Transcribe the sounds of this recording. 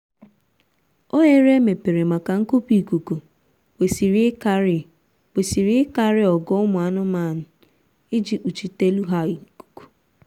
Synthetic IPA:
o˦ɲe˦ɾe˦me˨pe˨ɾe˨ma˨ka˨ŋ̩˦ku˦pi˨ku˨ku˨ | we˨si˨ɾi˦ka˦ɾɪ˨ | we˨si˨ɾi˦ɪ˦ka˦ɾɪ˦ɔ˨ɡɔ˦ʊ˦mʊ˨a˨˦nʊ˦ma˦˨nʊ˨ | ɪ˦d͡ʒi˨k͡pu˨t͡ʃi˦te˦lu˦ɦa˦i˨ku̥˨ku̥˨

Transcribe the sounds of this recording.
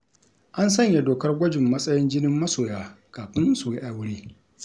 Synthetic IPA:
ʔa˦nsɐ˦ɲje˨doː˨kɐ˦rɡʷɔ˦d͡ʒɪ˨mːɐ˦sʼɐ˦jɪ˦nd͡ʒɪ˦nɪ˦mːɐ˦soː˨jaː˦ | kaː˨ɸɪ˦nsu˨ji˦ʔa˨wʊ˦ɽiː˦

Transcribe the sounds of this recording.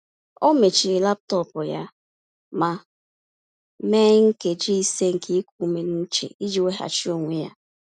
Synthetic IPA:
o˦me˨t͡ʃi˨i˨la˦p̚tɔ˦pʊ˨ja˦ | ma˨ | me˦ŋ̩˦ke˨d͡ʒi˦i˦se˦ŋ̩˨kʰe˦i˦ku˦˨˦me˨n˦n̩˦t͡ʃḛ˨i˦d͡ʒi˨we˦ɦa̰˨t͡ʃi˦o˨ŋʷe˦ja˦

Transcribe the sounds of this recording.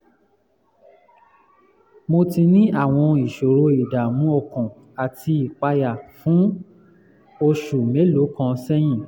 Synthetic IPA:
mo˧ti˧nĩ˦a˦˨w̃ɔ̃˧i˨ʃo˨ɾo˧i˨da˨mũ˦ɔ˧˨kɔ̃˨ | a˨ti˧i˨k͡pa˧ja˨fũ˨˦ | o˧ʃu˨me˨˦lo˨˦kã˧sɛ˦j̃ĩ˦˨

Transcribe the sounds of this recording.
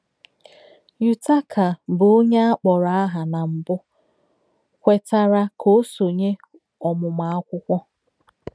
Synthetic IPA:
ju˨ta˦kʰa˨bʊ˨o˦ɲe˦a˦k͡pɔ˨ɾa˨˦a˦ɦa˨na˨m̩˨bʊ˦ | kʷe˨ta˦ɾa˦kʰo˦so˨ɲe˦ | ɔ˨mʊ˨ma˨a˦kʷʊ˦kʷɔ˦

